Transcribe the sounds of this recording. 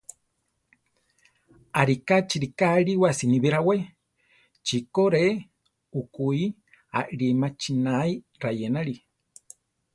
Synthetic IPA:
aɾikat͡ʃiɾikaɺiwasiniβiɾawe | t͡ʃikoɾe | ukui | a̰ʔɾimat͡ʃinai | ɾajenaɺi

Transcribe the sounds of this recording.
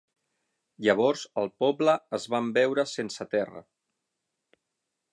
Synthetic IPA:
ʎəβ̞ɔɾzəlˠpɔbləːzβambɛwɾəsensət̪ɛrə̰

